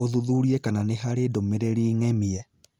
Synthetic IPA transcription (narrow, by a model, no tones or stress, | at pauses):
oðuðuɾiɛkananeɦaɾedomeɾeɾiːŋɛmiɛ